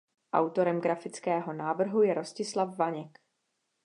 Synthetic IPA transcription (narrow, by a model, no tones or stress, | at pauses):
ʔa̰wt̪o̞ɾɛmɡɾafɪt͡skɛːɦo̞naːvr̩ɦujɛɾo̞scɪslafːaɲɛk